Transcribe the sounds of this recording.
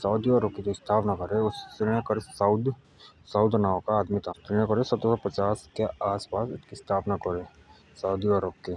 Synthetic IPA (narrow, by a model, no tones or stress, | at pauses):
saʊd̪jaːɾəp̚kid͡ʒoɪst̪ʰaːpnakəɾeʊsːɪ̃ekəɾesaʊd̪ | saʊd̪naːokaːd̪mit̪at̪ɾɪ̃akəɾesɐt̪əsapɐt͡ʃaːskeaːspaːsɪtkist̪ʰaːpnakəɾeː | saʊd̪ijaːɾəp̚ke